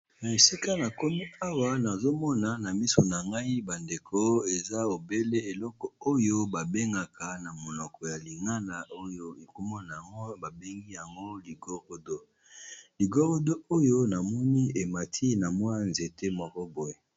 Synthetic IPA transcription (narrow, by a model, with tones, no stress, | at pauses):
na˨e˨si˦ka˦na˨ko˦mi˦a˦wa˦na˨zo˦mɔ˦na˨na˨mi˦so˨na˨ŋɡa˦i˦ba˨nde˨kʰo˦e˨za˦o˨be˦le˦e˨lɔ˦kɔ˨o˦jo˦ba˨be˦ŋɡa˨ka˨na˨mo˨nɔ˨kɔ˨ja˨li˨ŋa˦na˨ʔo˦jo˦e˨ko˦mɔ˦na˨ja˨ŋɡo˦ba˨be˦ŋɡi˦ja˨ŋɡo˦li˨ɡo˦ʁo˦do˦ | li˨ɡo˦ʁo˦do˦o˦jo˦na˨mɔ˦ni˦e˨ma˨tʰi˦na˨mwa˦nze˨te˦mwa˨kɔ˦bo˨je˨